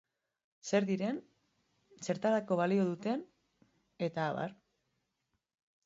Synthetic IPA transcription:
se̞ɾðiɾe̞n | se̞ɾt̪aɾako̞βalio̞ðut̪e̞n | e̞t̪aːβa̰ɾ

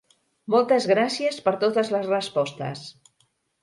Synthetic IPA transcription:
mɔlˠt̪əzɣɾasiəspəɾt̪ot̪əzləzrəspɔst̪ə̰s

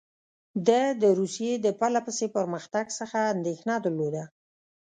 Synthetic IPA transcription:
d̪əd̪əɾusijed̪əpalapəsepəɾməxt̪aɡsəxaːnd̪exnɑd̪əɾlod̪a

